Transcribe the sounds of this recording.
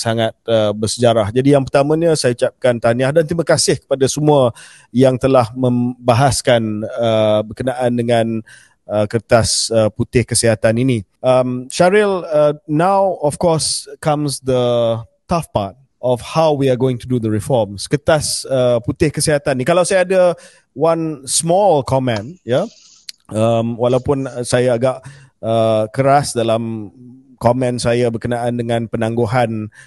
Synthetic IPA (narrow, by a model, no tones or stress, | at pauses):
saŋat̪̚əbərsəd͡ʒaɾahd͡ʒadijaŋp̬ərt̪amãɲə̃sajaut͡ʃap̚kant̪aniahdant̪ɾimakasɪhkə̥padasəmũa | jaŋt̪əlahmə̃mbaɦaskanəbərkənaʔandəŋãn | əkəɾt̪asəput̪ɪhkəsiɦat̪aninĩʔəmʃaɾɪlənawɔfkɔskãmsd̪ətafpa̰t̚ | ʔɔfhawwiaɡoɪ̃ŋt̪udud̪əɹifɔmsə̥kət̪asəput̪ɪhkəsiɦat̪anːikalawsajaːda | wansmɔlkʰɔmɛ̃nja | əmwalawpʊnsajaːɡaʔ | əkəɾasdalam | kɔmɛ̃nsajabərkənãʔandəŋãnpənãŋɡoɦan